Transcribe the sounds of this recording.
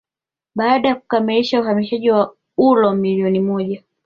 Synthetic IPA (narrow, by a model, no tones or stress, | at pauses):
ɓaːɗajaku̥kamiliʃauhamiʃaʄiwa | ulɔmiliɔnimɔʄa